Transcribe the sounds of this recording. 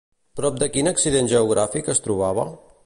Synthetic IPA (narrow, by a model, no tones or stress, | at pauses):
pɾɔp̚d̪əkinəksiðenʲʒəuɣ̞ɾafikəst̪ɾuβ̞aβ̞ə